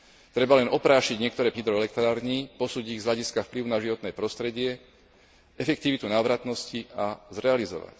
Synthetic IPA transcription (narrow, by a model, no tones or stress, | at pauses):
t̪ɾɛbalɛnɔpɾaːʃiɟɲɪɛk̚t̪ɔɾɛːpɲid̪ɾɔɛlɛk̚t̪ɾaːɾɲipɔsuːɟiɣz̥ɦʎaɟiskafpliʊnaʒiʋɔt̪nɛːpɾɔst̪ɾɛɟɪɛ | ɛfɛkt̪iʋit̪unaːʋɾat̪nɔsciazɾɛalizɔ̰ʋa̰c